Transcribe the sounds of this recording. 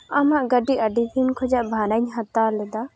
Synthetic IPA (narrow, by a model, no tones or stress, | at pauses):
amaʔɡəɖiʔəɖid̪inkʰɔd͡ʒaʔbʱaɾəɲɦat̪alɛd̪a